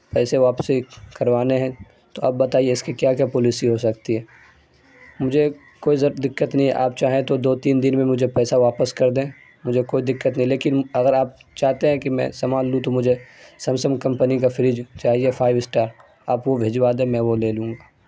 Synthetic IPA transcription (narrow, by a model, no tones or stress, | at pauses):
pɛːseʋaːpsikɐɾʋaːneɦɛ̃ | t̪oa̰ːb̚bɐt̪aːieɪskikjaːkjaːpɔlisiɦosɐkt̪iɦɛː | mʊd͡ʒʱe | koːizɐɾd̪ɪkːət̪nɐɦĩʔa̰ːpt͡ʃaːɦẽt̪od̪oːt̪iːnd̪ɪnmẽmʊd͡ʒʱepɛːsaʋaːpəskɐɾd̪ẽː | mʊd͡ʒʱekoːid̪ɪkːət̪nɐɦĩleːkɪnɐɡəɾaːp̚t͡ʃaːɦt̪eɦɛ̃kimɛ̰̃sɐmaːlːũt̪omʊd͡ʒʱesɐ̃msəmkɐ̃mpənikafɪɾɪd͡ʒt͡ʃaːɦiefaːɪʋsʈaːɾ | aːpʋobʱeːd͡ʒʋaːd̪ẽmɛ̃ʋoleːlũːŋɡaː